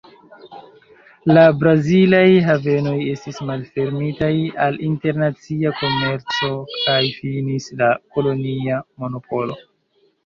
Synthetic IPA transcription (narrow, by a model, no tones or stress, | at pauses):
labɾazilajɦave̞no̞je̞stismalfe̞ɾmitajalinte̞ɾnat͡siako̞me̞ɾt͡so̞kajfinislako̞lo̞niamo̞no̞pʰo̞lo